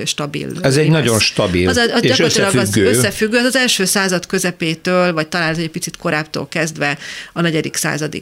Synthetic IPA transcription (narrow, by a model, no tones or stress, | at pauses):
ʃt̪ɒbḭlɛzɛɟnɒɟo̞nʃt̪ɒbḭlzɟɒosilɒøøsːɛfyɡːøːɛzɒzɛlʃøːsaːzɒt̪kø̞zɛpeːt̪øːlvɒc̚t̪ɒlaːnɛzɛcʲpit̪sit̪ko̞ɾaːpt̪o̰ːlkɛzd̪ʋɛɒnɛɟɛd̪iksa̰ːzɒd̪ḭ